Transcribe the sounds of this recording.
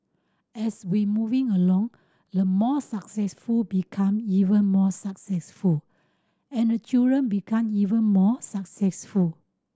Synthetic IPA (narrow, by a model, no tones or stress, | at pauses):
ɛswimuvĩŋəlɔ̃ŋ | dəmɔsaksɛsfulbikʰãmivə̃nmɔsaksɛsful | ɛ̃ndət͡ʃildɹə̃nbikʰãmivə̃nmɔsaksɛsful